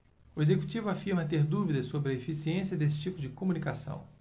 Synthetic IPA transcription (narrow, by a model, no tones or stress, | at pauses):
ʊezeku̥t͡ʃivʊafiɾmɐt̪eɾd̪uvid̪ɐsːobɾɪɐefisiẽsiɐd̪es̬ɪ̥t͡ʃipʊd͡ʒɪkomũnikasɐ̰̃w̃